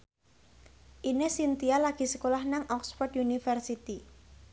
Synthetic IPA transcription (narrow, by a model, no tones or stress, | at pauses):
ʔinesint̪ialaɡ̥i̤sə̥kolahnaŋʔɔksfɔrdjunifərsit̪i